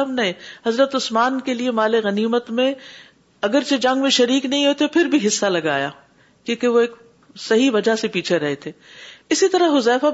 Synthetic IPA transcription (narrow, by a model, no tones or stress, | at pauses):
əmnɐɦẽhɐzɾət̪ʊsmaːnkeliemaːleɣɐniːmət̪mẽ | ɐɡəɾt͡ʃed͡ʒɐ̃ŋɡmẽʃɐɾiːknɐɦĩɦoːt̪epʰɪɾbʱiɦɪsːalɐɡa̰ːja̰ː | kjõːkeʋoeːk | sɐɦiʋɐd͡ʒasepiːt͡ʃʰeɾɐɦet̪ʰeːɪsit̪ɐɾəɦɦʊzɛːfa